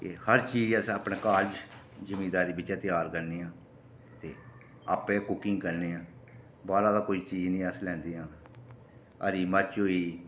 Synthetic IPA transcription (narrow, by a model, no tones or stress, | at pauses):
kehəɾt͡ʃiːd͡ʒəsaːpneːkaːɾd͡ʒ | d͡ʒəmeːd̪aːɾiːbɪt͡ʃãːt̪ɪjaːɾkəɾneːãː | ət̪ḛː | aːpẽːkʊkɪ̃ŋɡkəɾneːãː | baːɾãːd̪aːkoːiːt͡ʃiːd͡ʒnĩːəslɛ̃ːnd̪eːãː | ə̰ɾiːməɾt͡ʃɦoːiː